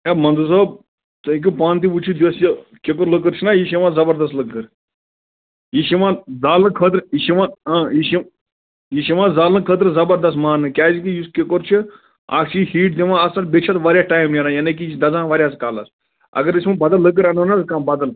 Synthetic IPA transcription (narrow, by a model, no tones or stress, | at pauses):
emɐ̃nd̪us̬oːb̚ | t̪ɨĩk̬ʲupaːnt̪iʋut͡ʃʰud̪iʋɐsjɐkekoɾləkəɾt͡ʃʰinaːjiʃiʋãːzɐbɐɾd̪ɐs̬t̪ləkːəɾ | jiʃimãːzaːlɨkʰəːt̪ɾiʃiʋãːaːjiʃi | jiʃiʋãːzaːlɨ̃kʰəːt̪̬ɾzɐbɐɾd̪ɐs̬t̪maːnɨkʲaːzikijiskekoɾt͡ʃʰi | a̰ːkt͡ʃʰihiːʈ̚d̪emãːɐsɐlbet͡ʃʰɐt̪ʋaːɾʲjaːʈaːjimneːɾajaːnek̬it͡ʃd̪ɐzãːʋaːɾʲjaːskaːlɐ̰s | ɐ̰ɡɐɾisʲmãːbɐd̪ɐlːək̬ːəɾɐnənɐzkãːbɐd̪ɐl